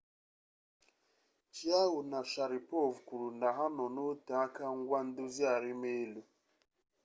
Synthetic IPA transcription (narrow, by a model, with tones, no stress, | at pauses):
t͡ʃi˦a˦ɦʊ˨na˨ʃa˨ɾɪ˨po˦˨vkʷu˨ɾu˨na˨ɦa˦nɔ˨no˦ta˨˦ka˦ŋ̩˦ɡʷa˦n̩˦dʊ˦zi˦a˨ɾɪ˦me˦e˦lu˦